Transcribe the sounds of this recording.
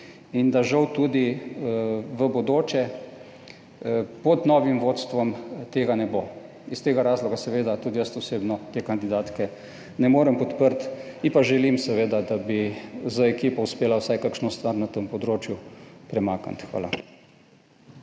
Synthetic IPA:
ind̪aʒɐwt̪ud̪i | ʋəbɔd̪oːt͡ʃɛ | pɔd̪nɔːʋimʋoːt̪st̪ʋɔmt̪eːɡanɛbo | ist̪eːɡaɾaːzlɔɡasɛʋeːd̪at̪ud̪ijəst̪ɔseːbnɔt̪ekand̪id̪aːt̪kɛ | nɛmoːɾəmpɔt̪pəɾt̪ipaʒɛlimsɛʋeːd̪ad̪abizaɛkiːpɔuspeːlawsajkakʃnɔst̪ʋaɾnat̪əmpɔd̪ɾoːt͡ʃjupɾɛmaːka̰nt̪xʋa̰ːla̰

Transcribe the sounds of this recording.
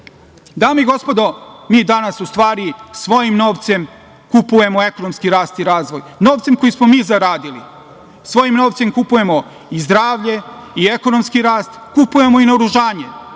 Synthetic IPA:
d̪aːmeiɡo̞spo̞d̪o̞miːd̪anasust̪ʋaːɾisʋo̞jimno̞ːʋt̪se̞m | kupuje̞moe̞ko̞nomskiɾaːst̪iɾaːzʋo̞jno̞ːʋt̪se̞mko̞jismomiːzaɾaːd̪ilḭ | sʋo̞jimno̞ːʋt̪se̞mkupuje̞mo̞ | izd̪ɾaːʋʎe̞ieko̞nomskiɾaːst̪kupuje̞mo̞ineoɾuʒaːɲe

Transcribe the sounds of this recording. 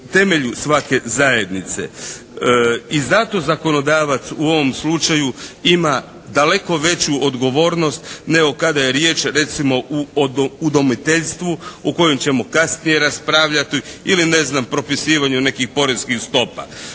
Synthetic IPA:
t̪e̞meʎusʋake̞zaje̞d̪nit̪se̞̰ | izat̪o̞zako̞no̞d̪aːʋat̪suo̞ʋo̞mslut͡ʃajuima | d̪ale̞ko̞ʋe̞t͡ɕuod̪ɡo̞ʋo̞ːɾno̞st̪neokad̪aje̞ɾje̞ːt͡ʃɾe̞t̪simo̞ʔuoːd̪o̞mit̪e̞ʎst̪ʋuoko̞jemt͡ɕe̞mokasnije̞ɾaspɾaːʋʎat̪iiline̞znampɾo̞pisiːʋaɲune̞kixpo̞ɾe̞zkixst̪o̞pa̰

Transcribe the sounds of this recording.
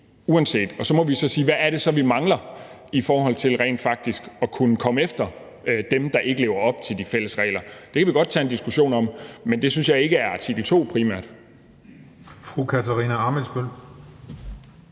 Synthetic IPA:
uænse̝̰ːd̥ɒ̽sɒ̽mɒ̽ʋisɒ̽siːʋæːɐɾ̥e̝sɒ̽ʋimɑ̈ŋlɐ | ifɒːɦɒ̽l̰t͡sʰe̝lʁɛ̰ɪ̰nfɑ̈ɡ̥̚d̥isɡ̥ɒ̽kʰunəkʰɒ̽məefd̥ɐ | d̥emd̥ɑ̈ʔe̝ɡ̥əle̝ːʊɐɒ̽b̥̚t͡sʰe̝ldifel̰əsʁɛ̰ːlɐd̥e̝kʰæʋiɡ̥ɒ̽d̥̚t͡sʰɛ̰ːend̥isɡ̥uɕo̝̰ːnɒ̽mmend̥e̝synsjɑ̈ɪe̝ɡ̥əæɐɑ̈t͡sʰiɡ̥l̩t͡sʰo̝̰ːpʰʁiːmæɐ̰d̥ | fʁukʰæt͡sʰæʁiːnæɑ̈ːməlsb̥øl̰

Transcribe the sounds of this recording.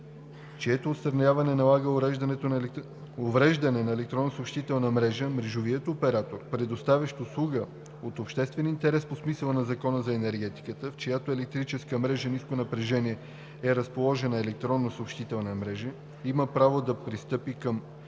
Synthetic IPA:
t͡ʃiɛt̪oːt̪st̪ɾɐnʲjavɐnɛnɐlˠaɡəɛʒd̪ɐnɛt̪o | ovɾɛʒd̪ɐnɛnɐɛlɛkt̪ɾɔnːosopʃt̪it̪ɛlˠnɐmɾɛʒəmɾɛʒoviət̪opɛɾat̪oɾpɾɛd̪ost̪avʲɐʃt̪oslˠuɡə | ot̪opʃt̪ɛst̪vɛnint̪ɛɾɛsposmisəlˠnɐzɐkɔnəzɐɛnɛɾɡɛt̪i̥kət̪əft͡ʃɛjat̪oɛlɛk̚t̪ɾit͡ʃɛskəmɾɛʒəniskonɐpɾɛʒɛniɛ | ɛɾɐspolˠɔʒɛnəɛlɛk̚t̪ɾɔnːosopʃt̪it̪ɛlˠnəmɾɛʒə | iməpɾavod̪ɐpɾist̪ɤpikəm

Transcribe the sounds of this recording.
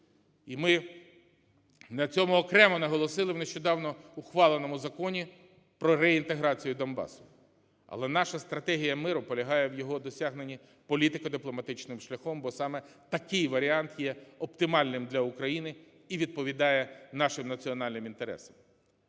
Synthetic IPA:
imɪ | nɐt͡sʲɔmʊɔkɾɛmɔnɐɦɔlˠɔsɪlˠɪwneʃt͡ʃɔd̪ɑwnɔʊxʋɑlˠenɔmʊzɐkɔnʲi | pɾɔɾɛint̪eɦɾɑt͡sʲijʊd̪ɔnbɑ̰sʊ̥ | ɐ̰lˠɛnɑʃɐst̪ɾɐt̪ɛɦʲijɐmɪɾʊpɔlʲɐɦɑjɛwjɔɦɔd̪ɔsʲɑɦne̞nʲi | pɔlʲit̪ɪkɐd̪ɪplˠɔmɐt̪ɪt͡ʃnɪmʃlʲɐxɔmbɔsɑmɛt̪ɐkɪjʋɐɾʲiɑnt̪jɛɔpt̪ɪmɑlʲnɪmd̪lʲɐʊkɾɐjinɪ | iʋʲid̪̚pɔʋʲid̪ɑjɛnɑʃɪmnɐt͡sʲiɔn̪ɑlʲnɪmint̪eɾɛ̰sɐm

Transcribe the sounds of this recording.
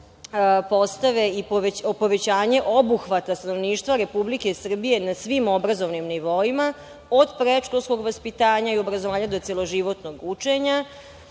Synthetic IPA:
po̞st̪aʋe̞ipopo̞ʋe̞t͡ɕaːɲe̞ʔobuxʋat̪ast̪ano̞ʋniːʃt̪ʋaɾe̞publikesr̩bije̞nasʋimo̞bɾazo̞ʋnimniʋo̞ima | od̪pɾeʃkolsko̞ɡʋaspit̪aːɲaio̞bɾazoʋaːɲad̪o̞t̪selo̞ʒiʋo̞t̪no̞ɡut͡ʂe̞ɲa

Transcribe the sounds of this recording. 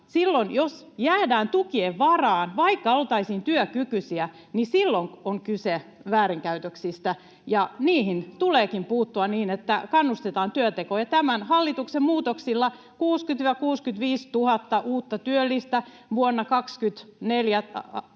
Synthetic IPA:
silːonjosjæːdæːnt̪ukieʋʋɑrɑːnʋɑikːɑolt̪ɑisiːnt̪yøkykysiæ | nisilːoŋoŋkyseʋæːɾiŋkæyt̪øksist̪æ | jɑniːhint̪uleːkimpuːt̪ːuɑniːnet̪ːækɑnːust̪et̪ɑːnt̪yøt̪ekojɑt̪æmænhɑlːit̪uksemmuːt̪oksilːɑ | kuːskyt̪ʋɑkuːskyt̪ʋiːst̪uhɑt̪ːɑʔuːt̪ːɑt̪yølːist̪æ | ʋuonːɑkɑkskyt̪neljæ

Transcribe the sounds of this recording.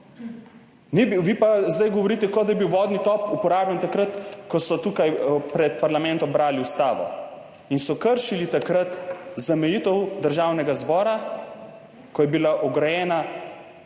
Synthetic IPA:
nɛbiʋiːpazd̪ajɡɔʋɔɾiːt̪ɛkɔd̪ajɛbiwʋɔːd̪nit̪ɔpupɔɾaːblant̪akɾət̪kɔsɔt̪uːkajpɾɛt̪paɾlamɛnt̪ɔmbɾaːliust̪aːʋɔ̰ | insɔkəɾʃilit̪akɾat̪zamɛjiːt̪əwd̪əɾʒaːwnɛɡazbɔːɾa | kɔjɛbilaʔɔɡɾajɛːna

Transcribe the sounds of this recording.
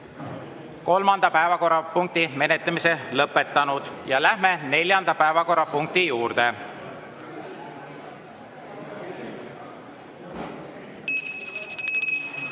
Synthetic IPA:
ko̞lmɑnd̪̥ɑpæevɑko̞rːɑpuŋk̚t̪ime̞net̪lemise̞lɤpːˑe̞t̪ːˑɑnud̪̥jɑlæhme̞ne̞lʲjɑnd̪̥ɑpæevɑko̞rːɑpuŋk̚t̪ijuːɾd̪e̞

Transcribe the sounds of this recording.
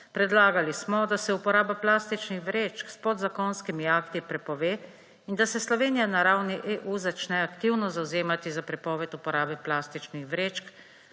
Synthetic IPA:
pɾɛd̪laːɡalismɔd̪asɛupɔɾaːbaplaːst̪it͡ʃnixʋɾeːt͡ʃkspɔd̪zakɔnskimiakt̪ipɾɛpɔʋeː | ind̪asɛslɔʋeːnijanaɾawniʔeʔuzat͡ʃnɛakt̪iwnɔzawzeːmat̪izapɾɛpɔːʋɛt̪upɔɾaːbɛplaːst̪it͡ʃnixʋɾeːt͡ʃk

